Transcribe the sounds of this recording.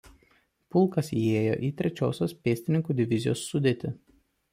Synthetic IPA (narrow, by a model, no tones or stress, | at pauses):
pʊlˠkɐsieːjo̰ːʔiːt̪ʲɾʲɛt͡ʃʲoːsʲoːspʲeːsʲt̪ʲɪnʲɪŋkuːd̪ʲɪʋʲɪzʲɪjo̰ːsːʊd̪ʲeːt̪ʲɪ